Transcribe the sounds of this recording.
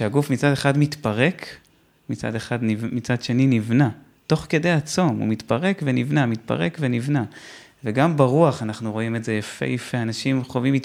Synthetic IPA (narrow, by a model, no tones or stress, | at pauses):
ʃeaɡufmit͡sadeχadmit̪paʁe̞k | mit͡sa̰de̞χadnimit͡sad̪ʃe̞ninivna | to̞χke̞d̪e̞jat͡so̞mṵmit̪paʁe̞kve̞nivnamit̪pa̰ʁekve̞nivna | veɡambaʁuaχanaχnuʁo̞ime̞ze̞jafḛjifeanaʃimχovimit